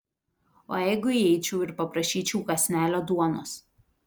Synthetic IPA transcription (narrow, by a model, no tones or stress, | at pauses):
o̰ːjɛɪɡʊiɛɪt͡ʃʲuːɪɾpɐpɾɐʃʲiːt͡ʃʲuːkɐsʲnʲæːlʲoːd̪uɔno̰ːs